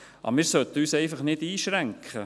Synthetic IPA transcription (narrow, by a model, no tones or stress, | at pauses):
ʔɑ̰mɪːɾsœt̪ːəyːsɛɪfɑχnɪdiːʃɾæŋkχə